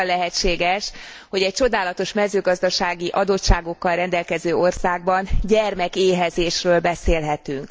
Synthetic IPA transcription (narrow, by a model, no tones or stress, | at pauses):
lːɛɦɛtt͡ʃeːɡɛʃ | ho̞ɟɛc̚t͡ʃo̞d̪aːlɒt̪o̞ʃmɛzøːɡɒzd̪ɒʃaːɡiʔɒd̪o̞t̪ʃaːɡo̞kːɒlrɛnd̪ɛlkɛzøːo̞rsaːɡ̚bɒnɟɛrmɛkeːɦɛzeːʃrøːlbɛseːlɦɛt̪yŋk